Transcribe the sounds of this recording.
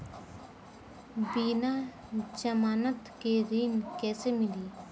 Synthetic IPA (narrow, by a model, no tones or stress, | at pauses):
biːnaː | d͡ʒəmaːnət̪keɾiːnkɛːsemɪliː